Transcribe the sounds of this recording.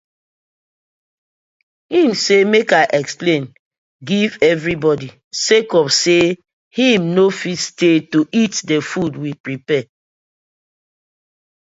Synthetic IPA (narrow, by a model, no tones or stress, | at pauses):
hĩmsemekaɪʔɛksplẽn | ɡivɛvɹibɔdi | sekɔbse | hĩmnofistetoʔitdefudwipɹipɛ